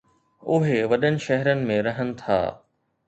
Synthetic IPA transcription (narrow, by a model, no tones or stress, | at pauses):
ʊɦeʋɐɗənɪ̆ʃɛɦəɾənɪ̆mẽɾɐɦənɪ̆t̪ʰa̰ː